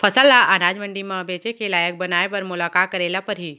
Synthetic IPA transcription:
pʰəsəlːaʔaɾaːd͡ʒmə̃ɳɖimãbeːt͡ʃekelaːjək̚bɐnaːepɐɾmʊlaːkaːt̪̚kəɾeːlapɐɾɦiː

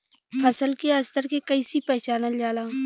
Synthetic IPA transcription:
pʰɐsəlkiaɐst̪əɾkekɐisipɛɦt͡ʃaːnald͡ʒaːlãː

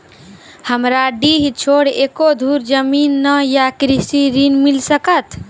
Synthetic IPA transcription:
həmɾaɖiːɦit͡ʃʰoːɽeːkod̪ʱuːɾd͡ʒəmiːnːəjakɾisiɾinmilsəkət̪

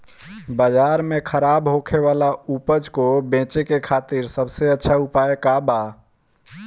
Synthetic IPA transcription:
bəd͡ʒaɾmẽkʰəɾabɦokʰeʋalaupəd͡ʒkobẽt͡ʃekekʰat̪iɾsəbseətːʃʰaupaekaba

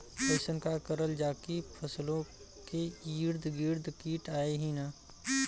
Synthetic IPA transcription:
peːsənkakəɾəld͡ʒaːkipʰəslõ | keiːɾd̪ʱɡiːɾd̪kiːʈaːeɦĩnaː

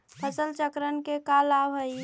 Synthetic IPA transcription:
pʰəsəlt͡ʃəkɾənkekalabɦəi

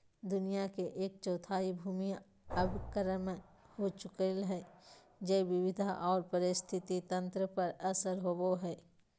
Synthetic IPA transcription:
d̪ʊnijakeʔeːk̚t͡ʃɔːt̪ʰaːibʱuːmi | əbkəɾəmhot͡ʃʊkəlɦɛː | d͡ʒeːʋɪʋɪd̪ʱaʔɔːɾpəɾɪst̪ʰɪt̪it̪ɐ̃nt̪ɾəpəɾɐsəɾɦoboɦɛː

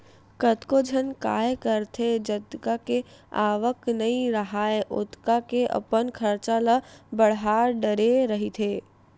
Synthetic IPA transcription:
kət̪kod͡ʒʱənka̰ːjkəɾt̪ʰed͡ʒəd̪kakea̰ːʋəknɐĩɾəɦaːeʔʊ̰t̪kakeʔə̰pənkʰəɾt͡ʃaləbəɽɦaːɾɖəɾeɾəɦit̪ʰeː

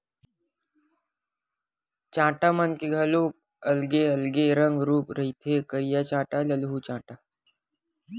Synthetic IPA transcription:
t͡ʃãːʈamənkeɡʱaloːk̚ | ɐlɡeɐlɡeɾə̃ŋɡɾuːpɾɐɦit̪ʰekəɾijat͡ʃãːʈaləlɦut͡ʃãːʈaː

